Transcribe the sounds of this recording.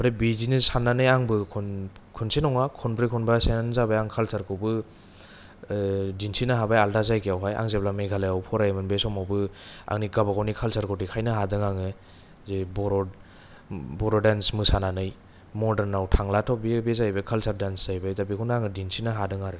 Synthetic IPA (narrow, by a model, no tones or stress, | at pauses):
pɾabizinɯsananɯjaŋbɯkʰun | kʰunsenɔŋakʰɔnpɾikʰunbasenanzabajaŋkʰalsaɾkʰɯbɯ | dinsinaɦabajaldazajkijawɦaja̰ŋzeblameɡʰalajawpʰɔɾajmɯnbesɔmawbɯa̰ŋniɡabaɡɔwnikʰalsaɾkʰɔwtikʰajnɯɦadɯŋaŋɯ | zebɔɾɔ | bɔɾɔdansmɯsananɯj | mɔdəɾnawtʰaŋlatʰɔbibezajbekʰalsaɾdansz̥ajbajzabikʰunaŋɯdinsinaɦadɯŋaɾɯ